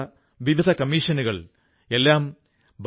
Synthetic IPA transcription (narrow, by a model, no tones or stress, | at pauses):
ɐ | ʋiʋid̪ʱɐkɐmiːʂɐnuɣɐɭ | e̞lːaːm | b